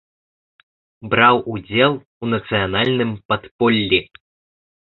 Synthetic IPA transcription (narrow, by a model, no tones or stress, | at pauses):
bɾawʔud͡zʲɛlˠ | unɐt̪sɨjanalʲnɨmpat̪pɔlʲːi